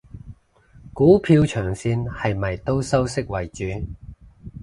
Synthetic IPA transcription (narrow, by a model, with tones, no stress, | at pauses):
kuː˨˥pʰiː˧wt͡ʃʰœː˨˩ŋsiː˧nhɐ˨jmɐ˨˩jt̪o˥wsɐ˥wsɪ˥k̚wɐ˨˩jt͡ʃyː˨˥